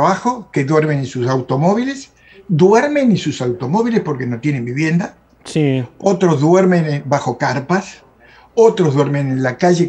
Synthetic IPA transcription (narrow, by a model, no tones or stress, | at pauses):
βaxo̞ke̞ðweɾmeninsusawt̪o̞mo̞βile̞s | d̪weɾmẽ̞nisusawt̪o̞mo̞βilespo̞ɾke̞no̞t̪jene̞mbiβje̞nd̪a | sio̞t̪ɾo̞zðweɾmẽnebaxo̞kaɾpas | ot̪ɾozðwe̞ɾmẽnenlakaʒe